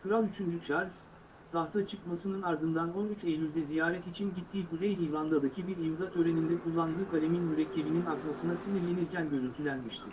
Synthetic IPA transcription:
kʰɯɾalˠyt͡ʃʰynd͡ʒyt͡ʃʰaɾʲz̥ | t̪ʰaht̪ʰat͡ʃʰɯkmasɯnɯnaɾd̪ɯnd̪ano̞nyt͡ʃejlʲylʲd̪ɛzijaːɾɛt̪it͡ʃʰinɟit̪ʰːiːkuzejlʲiːvand̪ad̪acʰibiɾimzat̪ʰø̞ɾe̞nind̪ɛkʰulˠːand̪ɯːkʰaɾʲeminmyɾɛcʰːe̞bininakmasɯnasinʲiɾlʲe̞niɾcʰænɟøɾynt̪ʰylʲænmiʃt̪ʰɪ

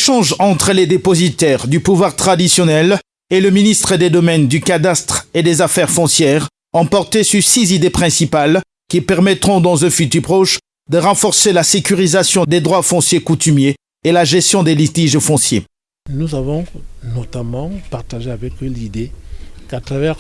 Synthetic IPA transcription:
ʃɑ̃ʒɑ̃t̪χəled̪epɔzit̪ɛʁd̪ypuvwaʁt̪χad̪isjɔnɛl | eləminist̪χəd̪ed̪ɔmɛnd̪ykad̪ast̪χed̪ezafɛʁfɔ̃sjɛːʁ | ɑ̃pɔʁt̪esyʁsizid̪epχɛ̃sipal | kʲipɛʁmɛt̪χɔ̃d̪ɑ̃zɛ̃fyt̪yʁpʁɔʃ | d̪əʁɑ̃fɔʁselasekyʁizasjɔ̃d̪ed̪ʁwafɔ̃sjekut̪ymjeː | laʒɛst̪jɔ̃d̪elit̪iʒfɔ̃sjḛ | nuzavɔ̃nɔt̪amɑ̃paʁt̪aʒeavɛklid̪ekat̪χavɛʁ

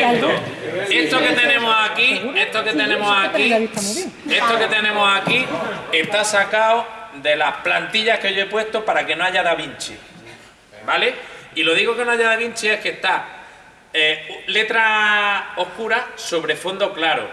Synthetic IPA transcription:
et̪o | est̪oket̪enẽmosakieht̪oket̪enẽmosakit̪e̞st̪oke̞t̪e̞nẽ̞mosakie̞ht̪asakaod̪e̞lahplant̪iʎahkeʝoe̞pwe̞st̪opaɾake̞noaʝaðaβint͡ʃḭ | bale̞ilo̞ðiɣo̞ke̞noaʝaðaβiɲt͡ʃie̞hkest̪a | ele̞t̪ɾa | o̞hkuɾaso̞βɾe̞fo̞nd̪o̞klaɾo̰

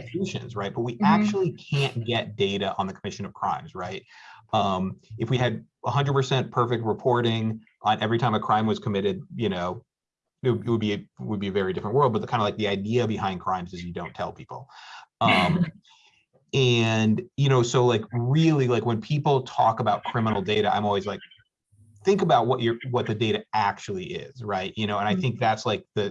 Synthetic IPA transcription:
fʉʃɨ̰̃nzɹaɪt̚b̥ʌt̚wiʔæk̚t͡ʃul̩ˠikʰæ̃nɡ̥ɛt̚d̥eɪɾɨʔə̰̃nðɨkʰəmɪʃɨ̃nʌv̥kʰɹ̥ã̰ɪ̃mz̥ɹaɪt̚ʌ̃mɨfwiɨɾ | əhʌ̃ndəd̚pʰə˞sɛ̃npʰɜ˞fɨk̚t̚ɹɨpʰɔɹɾɪ̃ŋ | ʔə̃nɛvɹitʰãɪ̃mɨkʰɹ̥ãɪ̃mwʌz̥kʰəmɪɾɨd̚jɨnoʊ | ɪt̚wɪt̚wəd̚biɨwəd̚biɨvɛɹidɪfɹə̃nʔwɜ˞lˠd̚bʌt̪̚ð̚ʰãɪ̃ndlaɪk̚ðiaɪdiɨbɨhãɪ̃nkʰɹ̥ãɪ̃mzɨzjɨdõʊ̃ntʰɛ̰lˠpʰipl̩ˠʌ̃m | ɨ̃njɨñoʊsoʊlaɪkɹɪlˠilaɪkwɨ̃npʰipl̩ˠtʰɔ̰kəbaʊt̚kʰɹ̥ɪ̃mənl̩ˠdeɪɾɨa̰ɪ̃mɔlˠwizlaɪk̚ | θɪ̃ŋkəbaʊt̚wʌt͡ʃə˞wʌt̪̚ðɨdeɪɾɨæk̚t͡ʃul̩ˠiʔɪ̰z̥ɹaɪt̚jɨñoʊə̃ñaɪθɪ̃ŋk̚ðætslaɪk̚ðɨ

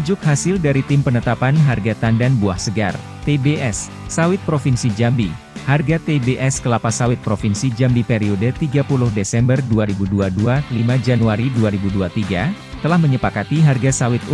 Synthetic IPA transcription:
d͡ʒʊkɦasɪldaɾit̪ɪmpənət̪apanɦarɡat̪andanbuahsəɡa̰r | t̪ebeʔɛsː | awɪt̪̚pɾofinsid͡ʒambi | harɡat̪ebeʔɛskəlapasawɪt̪̚pɾofinsid͡ʒambipeɾiodət̪iɡapulʊhdesɛmbərduaɾibuduadualimad͡ʒanuaɾiduaɾibuduat̪iɡa | t̪əlahməɲəpakat̪iɦarɡasawɪt̪u

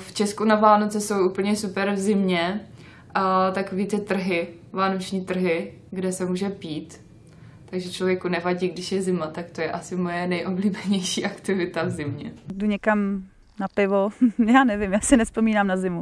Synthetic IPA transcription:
ft͡ʃɛskunavaːnot͡sɛso̞wʔupl̩ɲɛsupɛɾvzɪmɲɛ | t̪akoviːt̪ɪt̪r̩ɦɪ | vaːnot͡ʃɲiːt̪r̩ɦɪ | ɡdɛsɛmuːʒɛpiːt̪ː | aɡʒɛt͡ʃlo̞vjɛkunɛvaɟiːɡdɪʃjɛzɪmat̪akt̪o̞jɛʔasɪmo̞jɛnɛjʔobliːbɛɲɛjʃiːʔakt̪ɪvɪt̪avzɪmɲɛ̰duɲɛkam | napɪvojaːnɛvɪmjaːsɪnɛspo̞miːnaːmnazɪmu

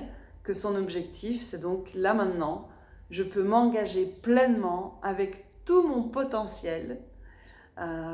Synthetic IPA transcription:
kəsɔ̃nɔbʒɛk̚t̪ʰifsɛd̪ɔ̃klamɛ̃t̪nɑ̃ | ʒəpømɑ̃ɡaʒeplɛnmɑ̃avɛkt̪umɔ̃pɔt̪ɑ̃sjɛl

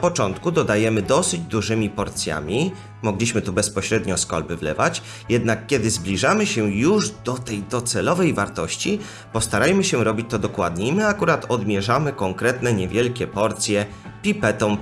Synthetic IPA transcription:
pɔt͡ʂɔnt̪kud̪ɔd̪ajɛmɘd̪ɔsɘd͡ʑd̪uʐɘmʲipɔɾt̪sʲja̰mʲi | mɔɡlʲiɕmɘt̪ubɛspɔɕɾɛd̪ɲɔskɔ̰lbɘvlɛ̰vat͡ɕ | jɛd̪nakːʲɛd̪ɘzblʲiʐamɘɕɛjuʐd̪ɔt̪ɛjd̪ɔt̪sɛlɔvɛjvaɾt̪ɔɕt͡ɕi | pɔst̪aɾajmɘɕɛɾɔbʲit͡ɕt̪ɔd̪ɔkwad̪ɲeimɘakuɾat̪ɔd̪mʲjɛʐamɘkɔŋkɾɛt̪nɛɲɛvʲjɛlkʲɛpɔɾt̪sʲjɛ | pʲipɛt̪ɔm

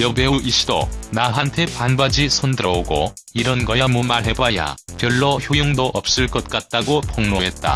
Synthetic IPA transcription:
jʌbeuʔiɕ͈ʰido̰naɦantʰe̞panbad͡ʑisʰondɯɾʌoɡo̰ | iɾʌnɡʌjamumaɭɦe̞baja̰pjʌɭːoçjojoŋdoʔʌp̚s͈ɯɭk͈ʌt̚k͈at̚t͈aɡopʌŋnoɦet̚t͈a̰

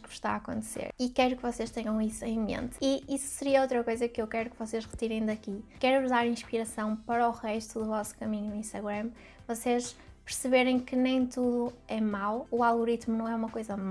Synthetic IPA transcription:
kʃt̪a̰akõ̰nt̪sḛɾikɛjɾukvɔseʃt̪ɛɲɐ̃w̃isuẽj̃mḛ̃nt̪iisu̥sɨɾiɐowt̪ɾɐkojzɐkewkɛɾukvɔseʃʁɨt̪iɾẽj̃d̪ɐkikɛɾðaɾĩʃpiɾɐsɐ̃w̃pɐɾɔʁɛʃt̪uðuvɔsu̥kɐmĩɲunuĩʃt̪ɐɣɾɐm | vɔseʃpɨɾsɨβeɾẽj̃kɨnẽj̃t̪uðuɛmawualˠɣuɾit̪munɐ̃w̃ɛumɐkojzɐma

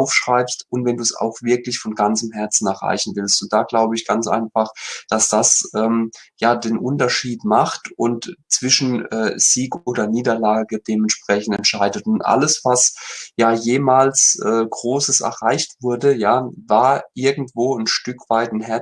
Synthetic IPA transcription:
aʊfʃʁ̥aɪpstʊntvɛnduːsa̰ʊxv̥ɪɐklɪçfɔnɡant͡səmɦɛɐt͡sn̩ɛɐʁa̰ɪçn̩vɪlstʊntd̥aːɡ̥laʊbəɪçɡ̥ant͡sʔa̰ɪnfaχd̥asd̥asʔɛːmjaːdeːnʔʊntɐʃiːtmaχtʊntt͡sv̥ɪʃn̩ʔɛːz̥iːkoːdɐniːdɐlaːɡəd̥eːmɛntʃpʁ̥ɛçn̩tɛntʃaɪdətʊntʔa̰ləsv̥asjaːjeːmaːlsʔɛːɡʁoːsəsɛ̰ɐʁaɪçtv̥ʊɐdəjaːvaːɐʔɪɐɡŋ̩tv̥oːnʃtʏkv̥aɪtnɦɛɐ

